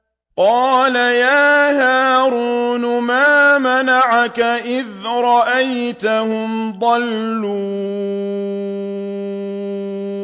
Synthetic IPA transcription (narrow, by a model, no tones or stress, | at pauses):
qɑːlajaːɦaːɾuːnʊmaːmanaʕakaʔɪðɾˤɑʔajt̪ahʊmd̪ˤɑlːuː